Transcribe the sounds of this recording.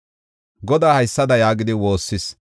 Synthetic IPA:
ɡɔd̪aːhɐjsːɐd̪ɐjaːɡɪd̪ɪwo̞ːsːɪs

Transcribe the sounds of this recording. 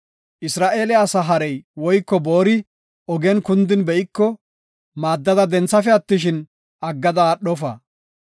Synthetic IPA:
ʔɪsɾaːʔe̞ːlɛɐsɐɦɐɾɛjwɔjkːɔboːɾɪ | ɔɡɛnkʊnd̪ɪnbɛɪkːɔ | maːd̪ːɐd̪ɐd̪ɛnt͡sːɐfɛɐt̪ːɪʃ̬ɪn | ʔɐɡːɐd̪ɐɗɔfɐ̰

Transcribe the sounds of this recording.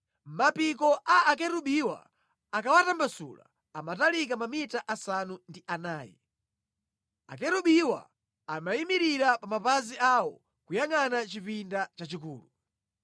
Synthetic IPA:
mapik̬ɔʔaːk̬ɛɾuɓiwa̰ | akawatambasṵla̰ | amatalikamamitaʔasanundiʔanaːjɛ̰ | a̰kɛɾuɓiwa̰ | amaimiɾiɾapamapaziʔawɔ | kujaŋanat͡ʃipindat͡ʃat͡ʃikuːlu

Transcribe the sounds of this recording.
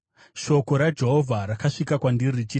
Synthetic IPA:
ʃo̞ko̞ɾad͡ʒe̞ɦovʱaɾakaʂikakwandiɾit͡ʃi

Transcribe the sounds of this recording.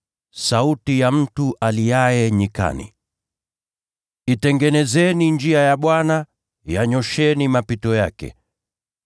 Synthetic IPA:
sautijam̩tuʔalijajɛɲika̰nḭ | itɛŋɡɛnɛzɛnind͡ʒiajaɓwana | jaɲɔʃɛnimapitɔjakɛ̰

